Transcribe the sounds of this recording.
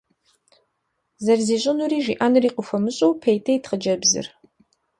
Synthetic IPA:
zɐrziːɕʼɪnuriːʒiːʔanɨriːqʊxʷɐmɨɕʼɐwpʰejtʰɐjtχəd͡ʒɐbzɨ̰r

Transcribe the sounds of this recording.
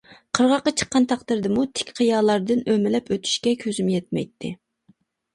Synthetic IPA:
qʰəɾʁɑqːɑt͡ʃʰə̥qːɑnt̪ʰɑqt̪ɨɾd̪ɨmut̪ʰɪ̥kʲqʰəjɑːlˠɑɾd̪ɨnømɪlɛpʰøt̪ʰy̥ʃkʲɛkʲʰøzymjɛt̪̚mɛ̰jt̪ʰːɪ̰

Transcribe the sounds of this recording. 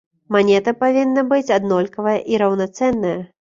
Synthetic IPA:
manʲɛt̪ɐpavʲinːɐbɨt͡sʲad̪nɔlʲkɐvɐjɐʔiɾɐwnat̪sɛnːɐjɐ

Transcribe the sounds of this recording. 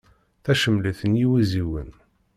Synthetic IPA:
θæʃəmːliθənjiwiziwə̰n

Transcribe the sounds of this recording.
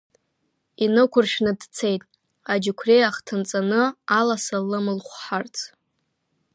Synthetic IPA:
inɨkʷʰʊrʃnɨdt͡sʰe̞jtʼ | ad͡ʒɪkʷʰrejaχtʰɨnt͡sʼanɨalasalːɨmɨlχʷħart͡sʰʼ

